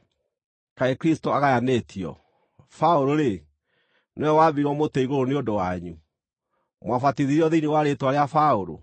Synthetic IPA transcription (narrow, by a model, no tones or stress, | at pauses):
kaekɾistoaɣajanetʰiɔ̰ | faoɾoɾe | newɛwaβiɾɔmotɛiɣoɾoneondowaɲu | mwafatiðiɾiɔðeiniwaɾetwaɾeafaoɾo̰